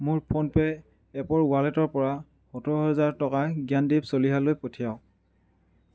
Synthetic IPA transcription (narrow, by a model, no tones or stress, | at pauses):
mʊɹpʰonpɛ | ɛpɔɹʊwalɛtɔɹpɔɹa | xɔtʰɔɹɔɦɔzaɹtɔkaɡijandipsoliɦalojpotʰijaʊ